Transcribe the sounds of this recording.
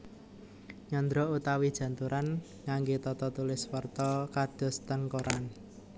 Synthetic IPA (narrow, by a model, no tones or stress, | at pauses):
ɲɔnd̪ɾɔut̪awid̥ʒ̥ä̤nt̪uɾʔan | ŋaŋɡet̪ɔt̪ɔt̪ulɪswərt̪ɔkad̥ɔ̤st̪ənkoɾan